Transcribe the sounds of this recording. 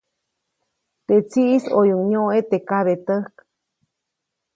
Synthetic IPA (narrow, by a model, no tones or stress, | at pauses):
t̪et͡siʔisojuŋɲoet̪ekaβet̪əhk